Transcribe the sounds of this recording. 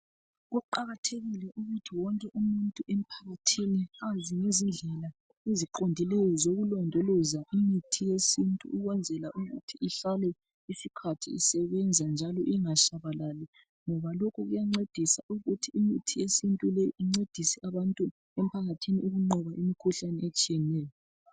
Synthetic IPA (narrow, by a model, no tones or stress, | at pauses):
ɣuuǃaɣatʰeɣilɛʔuɣutʰiwɔŋkʼɛʔumuntʼuʔem̩pʰaɣatʰiniaziŋezind͡ɮʱɛla | eziǃondʱilɛjɔzoɣulɔndʱɔlɔzaʔimitʰijesintʼṵːɣwɛnd͡zʱɛlaʔuɣṵtʰiːɬalɛ | isikʰatʰḭisɛβɛnd͡zʱand͡ʒʱalɔʔiŋaʃaβalali | ŋɔβalokʰuɣujaŋ͡ǀed̥ʱisaʔuɣutʰiimitʰijesintʼulɛiŋ͡ǀed̥ʱisɛʔaβantʼu | ɛm̩pʰaɣatʰiniuɣuŋ͡ǃɔβaʔimikʰuɬanɛet͡ʃʼijɛnɛːjɔ